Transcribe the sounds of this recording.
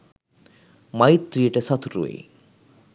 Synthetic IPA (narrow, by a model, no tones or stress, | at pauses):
majt̪ːɾieʈesɔt̪ʰɾṵḛ